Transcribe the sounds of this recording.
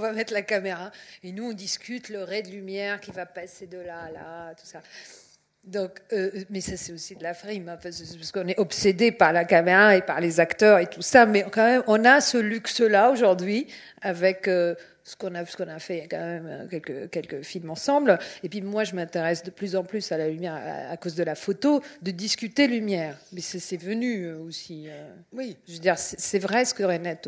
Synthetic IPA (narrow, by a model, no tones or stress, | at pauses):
ɔ̃vamɛt̪χlakameʁaenuɔ̃d̪iskʲyt̪ləʁɛd̪əlymjɛʁkʲivapased̪əlala̰t̪u̥sa | d̪ɔ̃kømɛsasɛosid̪əlafʁimɑ̃fɛ̃spasə̥kɔ̃nɛʔɔpsed̪epaʁlakameʁaepaʁlezakt̪œʁet̪usamɛkɑ̃mɛmɔ̃nasəlyksəlaoʒuʁd̪ɥi | avɛkø | sə̥kɔ̃nasə̥kɔ̃nafɛkɑ̃mɛɛmø̰kʲɛlkəkʲɛlkəfilmɑ̃sɑ̃blepɥimwaʒəmɛ̃t̪eʁɛsd̪əplyzɑ̃plysalalymjɛʁ̰a̰kozd̪əlafot̪od̪əd̪iskʲyt̪elymjɛːʁpissɛvənyøosiø | ʒved̪iʁsɛ̥sɛvʁɛsə̥kəʁenɛt̪